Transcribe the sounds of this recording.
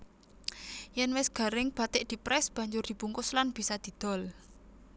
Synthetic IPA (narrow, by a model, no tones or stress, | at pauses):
jɛnwɪsɡ̥a̤ɾɪŋb̥a̤t̪ɪʔd̪̥i̤pɾɛsb̥a̤ɲd͡ʒʊrd̪̥i̤b̥ṳŋkʊslanb̥i̤sad̪̥i̤d̪̥ɔ̤l